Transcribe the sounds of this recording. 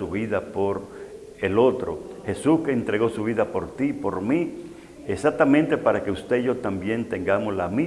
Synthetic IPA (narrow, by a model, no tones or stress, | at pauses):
uβiðapo̞ɾ | elo̞t̪ɾo̞̰ | xe̞suske̞ːnt̪ɾe̞ɣo̞suβiðapo̞ɾt̪ipo̞ɾmi | esat̪ːamẽnt̪e̞paɾake̞ust̪e̞ʝo̞t̪ambje̞nt̪e̞ŋɡamoslami